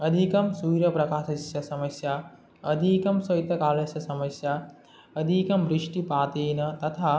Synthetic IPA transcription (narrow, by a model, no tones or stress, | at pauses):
ɐd̪ʱikɐmsuːɾɐpɾɐkaːsisjɐsɐmɐsja | ɐd̪ʱikɐmsɐjt̪ːɐkaːɾɐsjɐsɐmɐsja | ɐd̪ʱikɐmbɾiʂʈipaːt̪iːnɐt̪ɐt̪ʰaː